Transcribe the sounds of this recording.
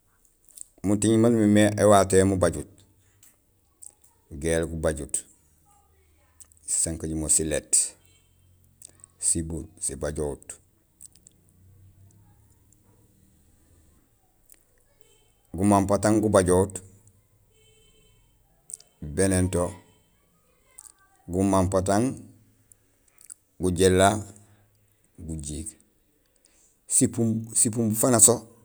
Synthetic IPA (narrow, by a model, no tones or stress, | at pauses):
mutiɲmanmimeʔewaːtemubaɟut̚ | ɡelɡubaɟut | saŋkaɟumosilet | sibulsibaɟout | ɡumampataŋɡubaɟot | benento | ɡumampat̬aŋ | ɡuɟelːa | ɡuɟiːɡ | sipumsipumbufanaso